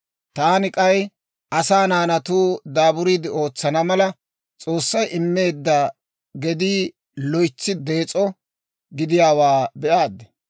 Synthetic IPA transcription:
t̪aːnɪkʼɐj | ʔɐsaːnaːnɐt̪uːd̪aːbʊɾiːd̪ɪo̞ːt͡sːɐnɐmɐlɐ | t͡sʼo̞ːsːɐjʔɪmːe̞ːd̪ːɐ | ɡɛd̪i | lɔjt͡sːɪd̪e̞ːt͡sʼɔ | ɡɪd̪ɪjaːwaːbɛʔaːd̪ːɛ̥

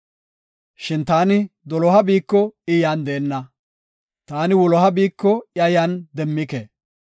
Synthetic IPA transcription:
ʃɪnt̪aːnɪd̪ɔlɔɦɐbiːkːɔɪjaːnd̪eːnːɐ | t̪aːnɪwɔlɔɦɐbiːkːɔjɐjand̪ɛmːɪke

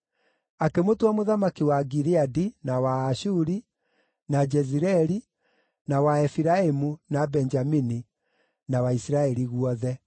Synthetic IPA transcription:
akemotwamoðamakiwaɡiɾiadinawaːʃuɾi | nad͡ʒɛziɾɛɾi | nawaɛfiɾaemunabɛnd͡ʒamini | nawaisiɾaɛɾiɣuɔðɛ

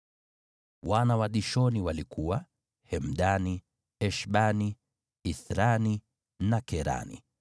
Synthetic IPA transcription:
wanawaɗiʃɔniwalikuwa | hɛm̩ɗani | ɛʃɓani | iθɾani | nakɛɾa̰nḭ

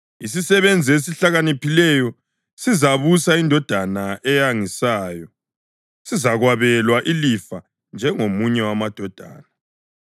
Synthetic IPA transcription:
is̬isɛβend͡zʱies̬iɬaɣanipilɛjɔ | sizaβusaindʱɔd̥ʱanaʔɛjaŋisaːjɔ | sizaɣwaβɛlwaʔilifa | nd͡ʒʱɛŋomuɲɛwamad̥ʱɔd̥ʱa̰ːna

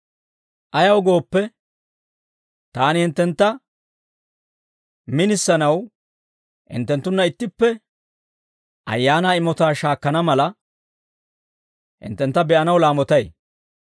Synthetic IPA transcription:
ʔɐjɐwɔɡo̞ːpːɛ | t̪aːnɪhɪnt̪ːɛnt̪ːɐ | mɪnɪsːɐnɐw | hɪ̰nt̪ːɛnt̪ːʊnːɐɪt̪ːɪpːɛ | ʔɐ̰jːaːnaːɪmɔt̪aːʃaːkːɐnɐmɐlɐ | hɪ̰nt̪ːɛnt̪ːɐbɛʔɐnɐwlaːmɔt̪ɐj

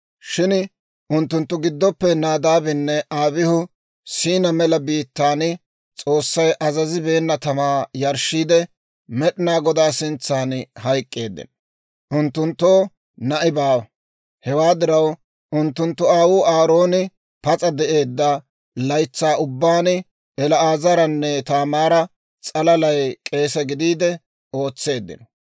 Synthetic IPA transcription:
ʃɪn | ʊnt̪ːʊnt̪ːʊɡɪd̪ːɔpːɛnaːd̪aːbɪnːɛʔaːbɪhʊ | siːnɐmɛlɐbiːt̪ːaːnɪ | t͡sʼo̞ːsːɐjʔɐzɐzɪbe̞ːnːɐt̪ɐmaːjɐɾʃiːd̪ɛ | mɛɗɪnaːɡɔd̪aːsɪnt͡sːaːnhɐjkʼːeːd̪ːɪ̰n | ʔʊnt̪ːʊnt̪ːo̞ː | nɐʔɪbaːw | hɛwaːd̪ɪɾɐw | ʔʊnt̪ːʊnt̪ːʊaːwʊːʔaːɾo̞ːnɪ | pɐt͡sʼɐd̪ɛʔe̞ːd̪ːɐ | lɐjt͡sːaːʊbːaːn | ɛlɐaːzɐɾɐnːɛt̪aːmaːɾɐ | t͡sʼɐlɐlɐjkʼe̞ːsɛɡɪd̪iːd̪ɛ | o̞ːt͡sːe̞ːd̪ːɪ̰nɔ

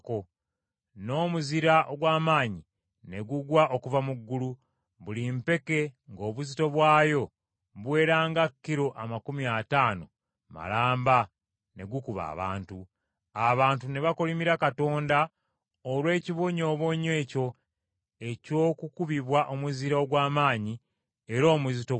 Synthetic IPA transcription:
ko | no̞ːmuziɾaʔoɡwaːmaːɲi | ne̞ɡuɡwaʔo̞kuvamuɡːulu | βulimpe̞ke̞ŋɡo̞ːβuzito̞βwaːjo̞ | βwe̞ːɾaːŋɡakːiɾo̞ʔamakumiataːno̞̰ | ma̰laːmba | ne̞̰ɡukuβa̰ːβa̰ːntu | aβaːntune̞βakolimiɾakato̞ːnda | olwe̞ːciβoɲo̞ːβoɲe̞ːco̞ | e̞co̞ːkukuβiβwaʔo̞muziɾaoɡwaːmaːɲi | eɾo̞ːmuzito

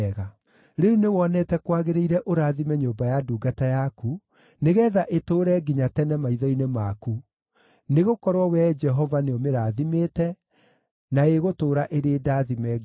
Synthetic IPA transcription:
ɣa | ɾeunewɔnɛtɛkwaɣeɾeiɾɛʔoɾaːðimɛɲoːbajaduːɡatajaku | neɣɛːðaʔetoːɾɛɡiɲatɛnɛmaiðɔinemaku | neɣokɔɾwɔwɛd͡ʒɛɦɔvaneɔmeɾaːðimeːtɛ | naeɣotoːɾaʔeɾeeːdaːðimɛ

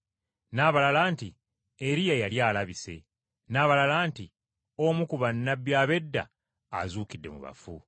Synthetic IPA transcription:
naːβalalaːnti | eɾijajaljaːlaβise̞ | naːβalalaːnti | omukuβanːabjaːβe̞dːa̰ː | zuːkidːe̞̰mṵβa̰fu

